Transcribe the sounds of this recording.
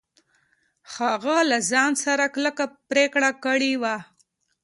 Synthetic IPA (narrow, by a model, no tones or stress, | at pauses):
xaɣalazɑnsaɾakləkapɾekɽakəɽiwa